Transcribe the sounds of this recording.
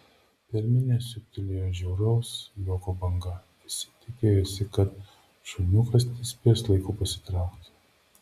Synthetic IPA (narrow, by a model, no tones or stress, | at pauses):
pʲɛɾʲmʲɪnʲɛsʲʊk̚ʲt̪ʲɪlʲeːjoːʒʲɛʊɾɔʊsjʲoːkobɐŋɡɐ | ɪsʲɪ̥t̪ʲɪkʲeːjosʲɪkɐt̪ | ʃʊnʲʊkɐst̪ʲɪsʲpʲiɛslˠɐɪkupɐsʲɪ̥t̪ɾɑˑʊkt̪ʲ